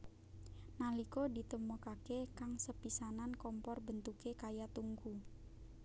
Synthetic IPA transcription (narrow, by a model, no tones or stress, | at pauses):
nalikodit̪əmukakekaŋsəpisanankɔmpɔrbənt̪ukekajat̪uŋku